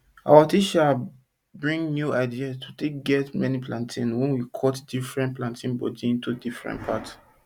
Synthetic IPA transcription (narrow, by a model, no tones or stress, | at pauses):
a̰watiʃa | bɹĩŋnjuaɪdiastʰu̥teɡɛtmɛniplãntʰĩnwɛ̃nwikʰɔtdifɹɛ̃nt̚plãntʰĩnbɔ̰diĩntudifɹɛ̰̃ntpʰa̰t